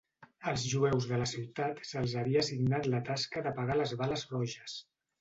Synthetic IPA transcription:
əlˠzʒuɛwzðələsiwt̪at̪səlˠzəβiasiɡnat̪lət̪askəðəpəɣaləzβaləzrɔʒəs

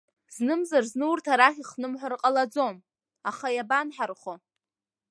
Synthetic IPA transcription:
znɨmzarznɨwurtʰaɾaχʲiχnɨmħʷarqʼalad͡zo̞m | aχajabanħarχo

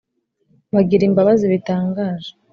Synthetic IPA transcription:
βaɡiɾimbaβaziβitaːŋɡaːʒḁ

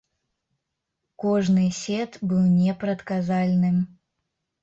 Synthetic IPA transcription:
kɔʐnɨjsʲɛt̪bɨw̪ˠnʲɛpɾɐt̪kazalʲnɨm

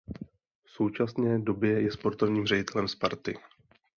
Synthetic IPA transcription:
fso̞wt͡ʃasnɛːdo̞bjɛjɛspo̞ɾt̪o̞vɲiːmr̝ɛɟɪt̪ɛlɛmspaɾt̪ɪ

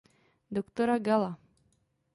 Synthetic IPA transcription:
d̪okt̪oɾaɡalˠa

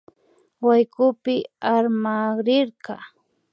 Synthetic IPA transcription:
wajkʊpɪaɾmaɾɪɾɢɑ

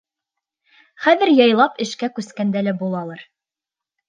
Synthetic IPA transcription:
χæðɘ̆ɾjɑjlˠɑpɘ̆ʃkækʉskænd̪ælæbulˠɑlˠɑɾ

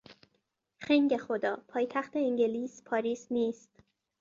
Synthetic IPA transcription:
xeŋɟexod̪ɒːpʰɒːjt̪ʰæxt̪eiŋɟeliːspʰɒːɾiːsniːst̪

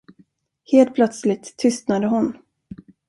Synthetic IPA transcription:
heːlt̪̚pʰlœt̪slɪt̪ʰːʏst̪nad̪əɦʊn

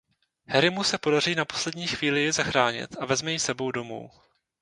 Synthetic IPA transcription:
hɛɾɪmusɛpo̞dariːnapo̞̥slɛdɲiːxviːlɪjɪzaxɾaːɲɪ̰t̪ʔavɛzmɛjisɛbo̞wdomṵːw

